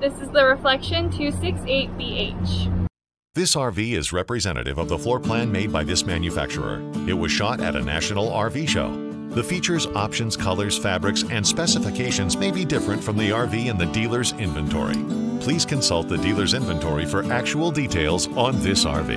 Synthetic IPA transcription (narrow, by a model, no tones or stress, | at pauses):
ðɪsɨzðɨɹɨflɛkʃɨ̃ntʰɨsɪkseɪt̚b̥ieɪt͡ʃ | ðɪsɑɹviɪzɹɛpɹizɛ̃ñʔɨ̰ɾɨ̰vʌvðəflɔɹpʰl̥æ̃nmeɪd̚baɪðɪsmæ̃njɨfæ̰k̚t͡ʃə̰˞ə̰˞ɨt̚wʌz̥ʃɑɾɨ̰ɾɨ̰næ̰ʃɨnl̩ˠɑɹviʃo̰ʊ | ðɨfit͡ʃə˞zɑpʃɨ̃nz̥kʰʌlˠə˞z̥fæbɹɨksɨ̃nspɛsɨfɨkʰeɪʃɨ̃nzmeɪbidɪfɹɨ̃ntfɹʌ̃mðiɑɹviɨ̃nðɨdilˠə˞zɪ̃ɱvɨ̃ntʰɔ̰ɹḭpʰl̥iz̥kʰɨ̃nsʌlˠt̪̚ðɨdilˠə˞zɪ̃ɱvɨ̃ntʰɔɹifə˞ʔæk̚t͡ʃul̩ˠditʰeɪlˠzn̩ðɪsɑ̰ɹvḭ